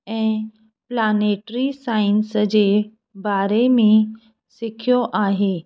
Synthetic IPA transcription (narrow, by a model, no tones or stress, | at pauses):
ɛ̃ː | plaːneʈɾisaːɪnsəd͡ʑeː | baːɾemẽ | sɪkʰijoʔaːɦeː